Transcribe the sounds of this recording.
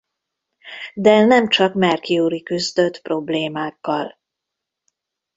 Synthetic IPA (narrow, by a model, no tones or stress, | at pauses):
d̪ɛnɛmt͡ʃɒkmɛrkiuːɾikyzd̪ø̞t̪pro̞bleːmaːkːɒl